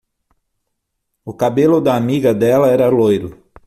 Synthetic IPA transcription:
ʊkabelʊd̪ɐːmiɡɐd̪ɛlɐɛɾɐlojɾʊ

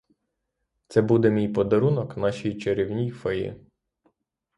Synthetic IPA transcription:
t̪sɛbud̪ɛmʲijpɔd̪ɐɾunɔknɑʃijt͡ʃeɾʲiwnʲijfɔjɪ̰

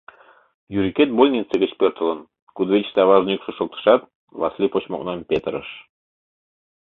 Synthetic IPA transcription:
jyɾʲikʲet̪̚bolʲnʲit͡sːɘ̆ɡə̆t͡ɕpʲørt̪ɤ̆lˠɤ̆n | kud̪vʲet͡ɕt̪ɑβɑʒnʲikʃuʃŏk̚t̪ɤ̥̆ʃɑt̪̚ | vɑ̰slʲipot͡ɕmo̰knɑnpʲet̪ə̆ɾɤ̰̆ʃ

